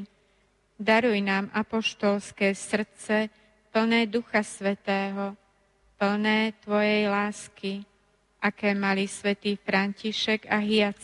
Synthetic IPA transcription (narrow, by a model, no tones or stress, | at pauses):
d̪aɾujnaːmʔapɔʃt̪ɔlskɛːsr̩t̪t͡sɛ | pl̩nɛːd̪uxasʋɛt̪ɛːɦɔ | pl̩nɛːt̪ʋɔjɛjlaːski | ʔakɛːmalisʋɛt̪iːfɾanciʃɛɡaɦijat͡s